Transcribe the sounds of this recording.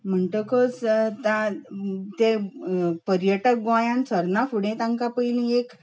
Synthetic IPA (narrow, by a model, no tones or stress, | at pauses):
m̤əɳʈ̪əkəst̪ã | t̪e | pəɾjəʈək̚ɡãjãnsəɾnafuɽẽt̪ãŋkapəjlĩek